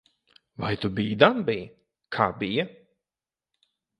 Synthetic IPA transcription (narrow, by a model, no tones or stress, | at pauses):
vajt̪ʊbiːd̪anbiː | kʰabi